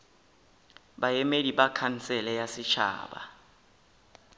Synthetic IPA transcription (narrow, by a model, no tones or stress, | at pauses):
ɓajɛmediɓakʰan̩sɛlɛjasɪt͡ʃʰa̰ːɓa̰